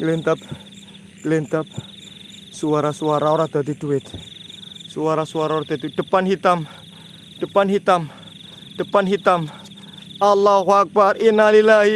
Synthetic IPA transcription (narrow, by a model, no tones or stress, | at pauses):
lint̪ap̚ | lint̪ap̚ | suaɾasuaɾaoɾad̪ad̪iduɪt̪̚ | suaɾasuaɾaoɾad̪at̪id̥ə̤panɦit̪am | d̥əpanɦit̪am | d̥əpanɦit̪am | alːaɦwak̚barinalilaɦi